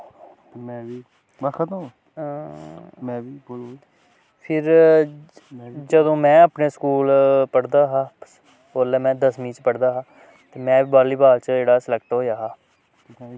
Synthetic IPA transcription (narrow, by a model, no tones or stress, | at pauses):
mɛ̃i | bakʰd̪a | mɛ̃i | pʰɪɾ | d͡ʒəd̪õːmɛ̃ːəːpneːskuːlpəɽd̪aːɦaː | oːlɛːmɛ̃ːd̪əsmĩːt͡ʃpəɽd̪aːɦãː | t̪eːmɛ̃ːʋiːbaːɾliːbaːlt͡ʃeːɽaːsɪlɛːkʈɦoːjaːɦaː